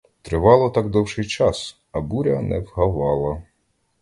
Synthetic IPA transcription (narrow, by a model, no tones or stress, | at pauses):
t̪ɾɪʋɑlˠɐt̪ɑɡd̪ɔwʃɪjt͡ʃɑs | ɐbuɾʲɐnɛwɦɐʋɑlˠɐ